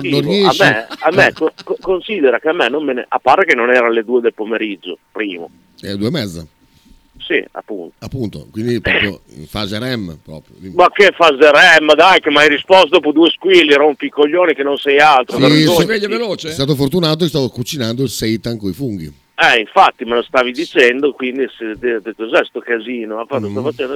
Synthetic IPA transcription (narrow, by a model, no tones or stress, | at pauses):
noiamːɛamːɛkokokonsid̪ɛɾakeamːɛnommenḛa̰pːaɾekenːonɛːɾaled̪uːed̪elpomeɾid͡ʒːo̰pɾiːmo̰ | ɛ̰d̪uemɛd̪zːa̰ | sḭa̰pːunt̪o̥apːunt̪o̰kwind̪ipɾɔpjo̰ | ḭɱfazeɾɛmːpɾɔ̰ːpɾjo̰imakːefazeɾɛmːd̪ajkemajɾispɔst̪d̪opud̪ueskwilːiɾoumpikːoʎːoːnikenːonsɛjalt̪ɾooveʎːaveloːt͡ʃeɛst̪aːt̪ofoɾt̪unaːt̪okest̪aːvokut͡ʃinand̪oilsɛjt̪aŋkoifuŋɡ̟ḭ | ɛiɱfat̪ːimalost̪aːvid̪it͡ʃɛnd̪okwind̪ised̪ekozɛst̪okaziːnoafat̪ːost̪afat͡ʃɛnd̪o